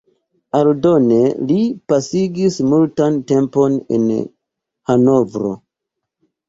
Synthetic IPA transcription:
aldo̞ne̞lipasiɡismultante̞mpo̞nḛn | hano̞vɾo̞̰

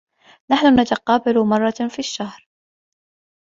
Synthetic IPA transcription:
naħnʊnat̪ɑqɑːbalʊmɑrˤːɑfiːʃːahɾ

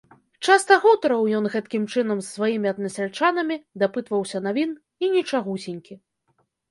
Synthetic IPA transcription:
t͡ʂast̪ɐɣut̪ɐɾɐwjɔnɣɛt̪kʲimt͡ʂɨn̪ɐmsːvajimʲiɐd̪nɐsʲalʲt͡ʂanɐmʲid̪apɨt̪vɐwsʲɐnavʲin | inʲit͡ʂaɣusʲinʲkʲi

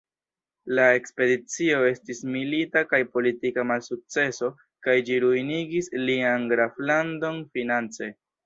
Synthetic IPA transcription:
lae̞kspe̞dit͡sio̞e̞stismilitakajpo̞litikamalsuk̚t͡se̞so̞ | kajd͡ʒiɾujniɡislianɡɾaflando̞nfinant͡se̞

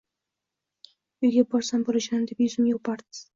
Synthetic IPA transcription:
ʊjɡʲabɒɾsamboɾaʃanɪd̪epjʊzɪmjopʰaɾd̪ɪ̥z̥

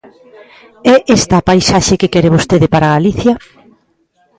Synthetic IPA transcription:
ɛʔest̪aːpajsaʃekekɛɾɪβ̞ost̪eðɪpaɾaɣaliθjɐ

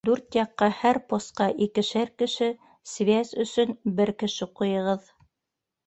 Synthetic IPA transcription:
d̪ʉɾt̪jɑqːɑhæɾpost̪̚qɑʔikɘ̆ʃæɾkɘ̆ʃɘ | svʲæzɵ̆sɵnbɘɾkɘ̆ʃɘqujɤ̆ʁɤð

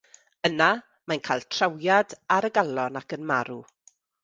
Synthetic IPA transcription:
əna | majnkʰaːjlˠtʰrawjadaɾəɡalˠɔnakənmaɾu

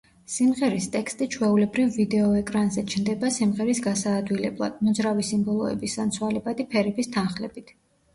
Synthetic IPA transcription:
simʁɛɾist̪ʼɛkst̪ʼit͡ʃʰwɛulɛbɾivːid̪ɛɔɛkʼɾanzɛt͡ʃʰnd̪ɛbasimʁɛɾisɡasaːd̪wilɛblˠa̰d̪̥̚mɔd̪zɾavisimbɔlˠɔɛ̰bisant̪sʰwalɛbad̪ipʰɛɾɛbist̪ʰanχlɛbit̪ʰ

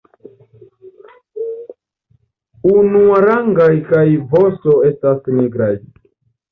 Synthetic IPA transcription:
unuaɾaŋɡajkajvo̞so̞e̞stasniɡɾaj

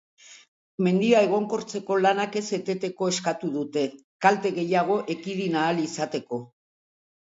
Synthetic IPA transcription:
me̞nd̪iae̞ɣ̞o̞ŋko̞ɾt͡se̞ko̞lanake̞se̞t̪e̞t̪e̞ko̞e̞skat̪uð̞ut̪e̞ | kalt̪e̞ɣe̞jaɣ̞o̞ʔe̞kiðinaːlisat̪e̞ko̞

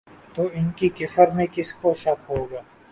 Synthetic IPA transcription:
t̪oɪnkikɪfəɾmẽkɪskoʃɐkɦoːɡaː

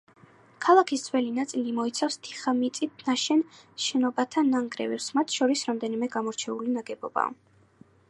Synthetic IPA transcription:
kʰalˠakʰisd̪z̥wɛlinat̪sʼilimɔit̪sʰafst̪ʰi̥χamit̪sʼit̪̚ʰnaʃɛnʃɛnɔbat̪ʰanaŋɡɾɛ̰vɛpsmat̪ʰʃɔɾisɾamd̪ɛnimɛɡamɔɾt͡ʃʰɛulinaɡɛbɔba̰

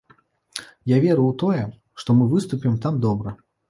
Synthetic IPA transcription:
javʲɛɾuwt̪ɔjɛ | ʂt̪ɔmɨvɨst̪upʲimt̪amd̪ɔbɾɐ

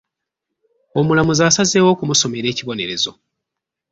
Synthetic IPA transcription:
o̞mulamuzaːsaze̞ːwo̞ːkumuso̞me̞ɾe̞ːciβo̞ne̞ɾe̞zo̞̰

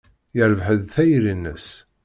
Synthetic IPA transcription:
jəɾvħəðθæjɾinːə̰s

